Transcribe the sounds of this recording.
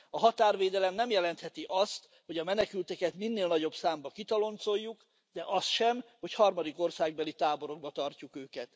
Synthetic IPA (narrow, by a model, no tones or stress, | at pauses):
ɒɦɒt̪aːrveːd̪ɛlɛmnɛmjɛlɛnt̪hɛt̪iʔɒst̪ | ho̞ɟɒmɛnɛkylt̪ɛkɛt̪minːeːlnɒɟo̞bsaːmbɒkit̪ɒlo̞nt̪so̞jːuk | d̪ɛʔɒst̪ʃɛmho̞chɒrmɒd̪iko̞rsaːɡbɛlit̪aːbo̞ɾo̞ɡ̚bɒt̪ɒrcukøːkɛt̪